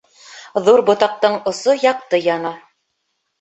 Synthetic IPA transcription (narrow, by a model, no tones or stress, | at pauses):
ðuɾbŏt̪ɑq̚t̪ɤɴŏsojɑq̚t̪ɤjɑnɑ